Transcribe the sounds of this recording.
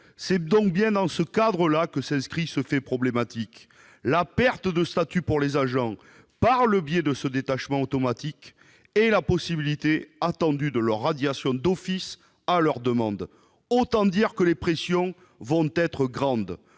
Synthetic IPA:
sɛd̪ɔ̃k̚bjɛ̃d̪ɑ̃səkad̪ʁəlakəsɛ̃skχisəfɛpχɔblemat̪ik | lapɛʁt̪əd̪əst̪at̪ypuʁlezaʒɑ̃ | paʁləbjɛd̪əsəd̪et̪aʃmɑ̃ot̪ɔmat̪ik | ɛlapɔsibilit̪eat̪ɑ̃d̪yd̪əlœʁːad̪jasjɔ̃d̪ɔfis | alœʁd̪əmɑ̃d̪ | ot̪ɑ̃d̪iʁkəlepχesjɔ̃ | vɔ̃t̪ɛt̪χəɡʁɑ̃d̪

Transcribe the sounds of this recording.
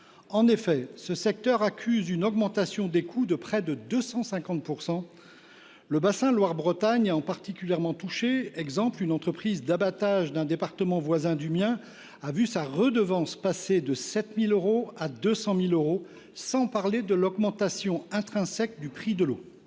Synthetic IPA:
ɑ̃nefɛsəsɛk̚t̪œʁakʲʰyzynɔɡmɑ̃t̪asjɔ̃d̪ekʰud̪əpχɛd̪əd̪øsɑ̃sɛ̃kɑ̃t̪̚puʁsɑ̃ | ləbasɛ̃lwaʁbʁət̪aɲaɑ̃paʁt̪ikʲyljɛʁmɑ̃t̪uʃeɛɡzɑ̃plynɑ̃t̪χəpχizd̪abat̪aʒd̪ɛ̃d̪epaʁt̪əmɑ̃vwazɛ̃d̪ymjɛ̃ | avysaʁəd̪əvɑ̃spased̪əsɛt̪miløʁoad̪øsɑ̃miløʁo | sɑ̃paʁled̪əlɔɡmɑ̃t̪asjɔ̃ɛ̃t̪χɛ̃sɛk̚d̪ypχid̪əlo

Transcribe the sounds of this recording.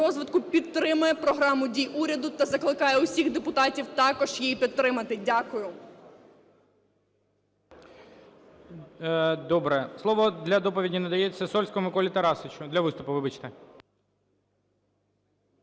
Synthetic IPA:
ɔzʋɪt̪kʊpʲit̪ːɾɪmʊjɛpɾɔɦɾɑmʊdʲijʔuɾʲɐd̪ʊt̪ɐzɐklˠɪkɑjɛʊsʲiɣd̪epʊt̪ɑtʲiwt̪ɑkɔʒjijipʲit̪t̪ːɾɪmɐt̪ɪdʲakʊjʊ | d̪ɔbɾɛslˠɔʋɔd̪lʲɐd̪ɔpɔʋʲidʲinɐd̪ɐjet͡sʲːɐsɔlʲsʲkɔɔmɪkɔlʲit̪ɐɾɑsɪt͡ʃʊd̪lʲɐʋɪst̪ʊpʊʋɪbɐt͡ʃt̪ɛ

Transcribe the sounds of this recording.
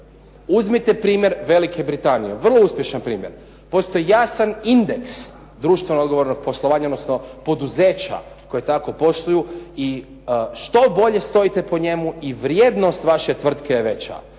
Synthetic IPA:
uzmit̪epɾiːmʲje̞ɾʋe̞like̞bɾit̪anije̞ʋr̩lˠo̞uspʲje̞ʃanpɾiːmjeɾ | po̞st̪o̞ijasanind̪e̞ks | d̪ɾuːʃt̪ʋenod̪ɡoʋoɾno̞ɡ̚po̞slˠoʋaːɲaod̪nosnopo̞d̪uze̞ːt͡ɕa̰ko̞jet̪ako̞po̞ʃt̪ujui | ʃt̪o̞bo̞ʎe̞st̪o̞it̪e̞poɲe̞muiʋɾjed̪no̞st̪ʋaʃe̞t̪ʋr̩t̪kejeʋe̞t͡ɕa̰

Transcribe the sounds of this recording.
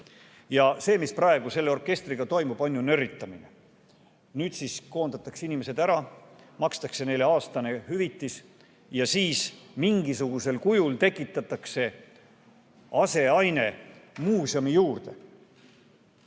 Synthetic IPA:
jɑse̞ːmisprɑe̞ɡ̥use̞lːe̞o̞rkˑe̞st̪riɡ̥ɑt̪o̞jmub̥ɑnʲːunøɾit̪ːˑɑminḛ | nyːt̪sisko̞ːnd̪̥ɑt̪ːˑɑkseinime̞se̞d̪æɾɑ | mɑkst̪ɑkse̞ne̞le̞ɑːst̪ɑne̞hyvit̪ːˑis | jɑsiːsmiŋɡisuɡ̥use̞lkujult̪e̞kːˑit̪ːˑɑt̪ːˑɑkse̞ | ɑse̞ɑjne̞muːsjɑmijuːrd̪̥e̞̰

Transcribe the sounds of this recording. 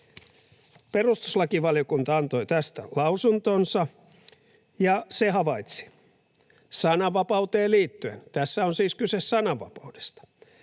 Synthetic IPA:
perust̪u̥slɑkiʋɑljokunt̪ɑɑnt̪o̞jt̪æst̪æ̰lɑusunt̪onsɑ | jɑsehɑʋɑit̪si̥ | sɑnɑʋːɑpɑut̪eːliːt̪ːyent̪æsːæonsiːskysessɑnɑʋːɑ̰pɑud̥e̥st̪ɑ̥

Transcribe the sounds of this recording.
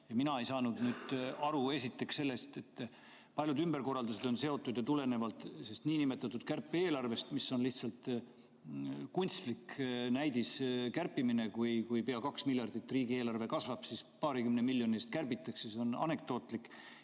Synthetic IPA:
jɑminɑe̞jsɑːnud̪̥nyːd̪ɑɾue̞sit̪ːe̞ksse̞lːe̞st̪e̞t̪ː | pɑlʲjud̪ymb̥erko̞rːɑld̪use̞d̪o̞nse̞o̞t̪ːˑud̪jɑt̪ule̞ne̞vɑlt̪ˑse̞st̪niːnime̞t̪ːˑɑt̪ːˑud̪̥̚kærpːeeːlɑrve̞st̪misːo̞nliht̪sɑlt̪ˑ | kunʲt̪st̪liknæjd̪̥iskærpːimine̞kujkujpeɑkɑksmilʲjɑrd̪̥it̪ːˑriːɡie̞ːlɑrve̞kɑsvɑb̥sispɑːɾikymnemilʲːjo̞nʲist̪kærbit̪ːˑɑksjiso̞nɑ̰ne̞k̚d̪̥o̞ːt̪ˑlik

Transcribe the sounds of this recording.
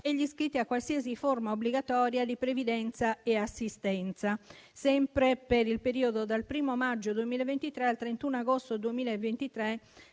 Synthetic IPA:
ɛʎːiskɾit̪ːiakːwalsieziformaobliɡat̪ɔːɾjad̪ipɾevid̪ɛnt̪saɛasːist̪ɛnt̪sasɛmpɾepeɾilpeɾiːod̪od̪alpɾiːmomad͡ʒːod̪uemiːlevent̪it̪ɾɛalt̪ɾent̪unaɡost̪od̪uemiːlaevent̪it̪ɾɛ

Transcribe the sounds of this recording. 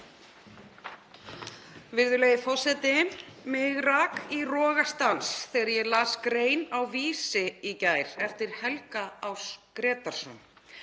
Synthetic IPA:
vɪɾðʏlejɪfɔ̥sɛt̪ɪmɪɣɾakirɔːɣast̪ansθɛjɣaɾjɛlaːskɾeːjnawviːsɪicaːjɾ̥ɛft̪ɪɾ̥hɛlkaawskɾɛːt̪aɾ̥sɔ̰n

